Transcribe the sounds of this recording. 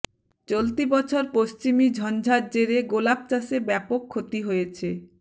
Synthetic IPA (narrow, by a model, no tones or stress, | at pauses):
t͡ɕolt̪ibɔt͡ɕʰoɾpost͡ɕimid͡ʑʱɔnd͡ʑʱaɾd͡ʑeɾeɡolab̚t͡ɕasebɛpokʰːot̪iɦojet͡ɕʰe